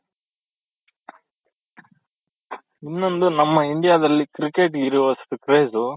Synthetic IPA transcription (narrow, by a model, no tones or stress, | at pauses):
inːo̞nd̪unɐmːɐiɳɖijaːd̪ɐlːikɾikeʈɡiɾiʋɐst̪ukɾeːzu